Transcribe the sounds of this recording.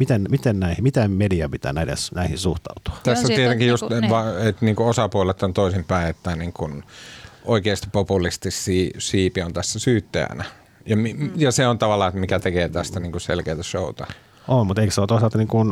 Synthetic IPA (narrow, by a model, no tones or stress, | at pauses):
mit̪enmit̪ennæihimit̪emmediɑpit̪æ̰ːnæˑidḛsnæihisuht̪ɑ̰ut̪u̥ɑ̥t̪æsːot̪iet̪eŋkijjust̪ʋɑet̪niːŋkuosɑpuolet̪ːont̪oisimpæiet̪ːæniːŋkunʔoikeːst̪i̥ppopulist̪isːiːsiːpiont̪æsːæsyːt̪ːḛæ̰næ | jɑmijɑseont̪ɑʋɑlːˑɑːet̪mikæt̪ekeːt̪æst̪æniːŋkuselkeːt̪æʃout̪ɑ | ʔommut̪eikseolt̪oisɑlt̪ɑniːŋkun